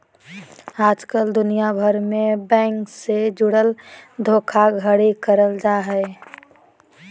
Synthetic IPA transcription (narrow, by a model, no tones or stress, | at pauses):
aːd͡ʒkəld̪ʊnijabʱəɾmẽbɛ̃ːŋksed͡ʒʊɽəld̪ʱoːkʰaɡʱəɽikəɾəld͡ʒaɦɛɪ